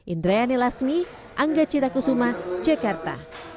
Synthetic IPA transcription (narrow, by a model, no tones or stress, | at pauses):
ʔind̪ɾajanelasmi | ʔaŋɡat͡ʃit̪akusumḁd͡ʒakart̪a̰